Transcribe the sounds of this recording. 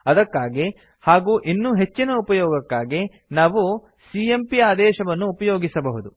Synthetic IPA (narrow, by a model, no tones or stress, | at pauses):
ɐd̪ɐkːaːɡi | haːɡuːʔinːuːɦe̞t͡ʃːinɐupɐjɔːɡɐkːaːɡi | naːʋu | siempiaːd̪ɛːʃɐʋɐnːuːpɐjoːɡisɐbɐɦud̪u